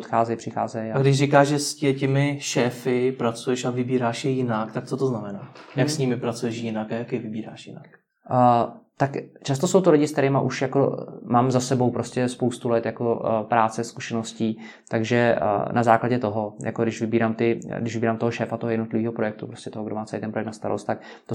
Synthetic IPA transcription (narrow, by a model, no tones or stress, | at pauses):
ot̪xaːzɛjpr̝̥ɪxa̰ːzɛjaɡdɪʃrɪkaːʒʒɛscɛcɪmɪʃɛːfɪpɾat͡sujɛʃavɪbiːɾaːʃjɪjɪnakt̪ak̚t͡sot̪oznamɛnaːjaksɲɪmɪpɾat͡sujɛʃjɪnakajakjɪvɪbiːɾaːʃjɪnakː | t̪akt͡ʃast̪o̞sowt̪olɪɟɪsk̚t̪ɛɾɪmaʔuʃjako̞̰maːmzasɛbo̞wpɾoscɛspowst̪ulɛt̪jako̞pɾaːt͡sɛskuʃɛnosciː | t̪aɡʒɛ̰nazaːklaɟɛt̪o̞ɦojʔa̰kodɪʃvɪbiːɾaːmt̪ɪɡdɪʃvɪbiːɾaːmt̪oɦoʃɛːfat̪oɦojɛdnot̪lɪviːɦopɾo̞jɛk̚t̪upɾo̞scʲɛt̪oɦoɡdomaːt͡sɛlijt̪ɛnpɾoɛktnast̪aɾo̰st̪t̪ak | t̪o